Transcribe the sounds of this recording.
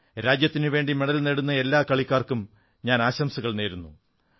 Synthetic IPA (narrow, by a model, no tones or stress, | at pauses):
ɾaːd͡ʑjɐt̪ːinɨʋe̞ːɳɖimeɽɐlneɽunːɐe̞lːaːkɐɭikʲːaːrkum | ɲaːnaːɕɐmsuɣɐɭne̞ːɾunːu